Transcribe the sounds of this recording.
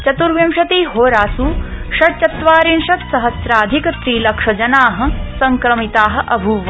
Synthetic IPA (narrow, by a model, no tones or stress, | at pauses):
t͡ʃɐt̪uɾʋjɐmʃɐt̪iːɦoːɾaːsuːʃɐɾt͡ʃɐt̪ʋaːɾinʃɐt̪sɐɦɐsɾaːd̪ʱikɐt̪ɾiːlɐkʂɐd͡ʒɐnaːɦɐ̆sɐŋkɾɐmit̪aːɦɐ̆ʔɐbʱuːʋɐ